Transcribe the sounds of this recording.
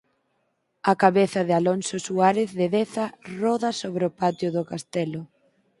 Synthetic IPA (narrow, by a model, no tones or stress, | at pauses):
ɐkaβeθɐðɪalonsʊsuaɾɪθðɪðeθɐrɔðɐsoβɾɪʊpat̪jʊðʊkast̪ɛlʊ